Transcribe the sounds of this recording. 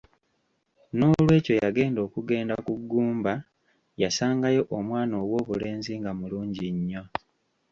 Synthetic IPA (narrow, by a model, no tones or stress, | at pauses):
no̞ːlwe̞ːco̞jaɡe̞ːndo̞ːkuɡe̞ːndakuɡːuːmba | jasaːŋɡajo̞ʔomwaːno̞ːwo̞ːβule̞ːnziŋɡamuluːɲɟiɲːo̞